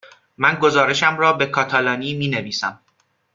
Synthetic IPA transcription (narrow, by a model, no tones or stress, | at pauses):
mænɡo̞zɒːɾe̞ʃæmrɒːbe̞kʰɒːt̪ʰælɒːniːmiːneviːsæm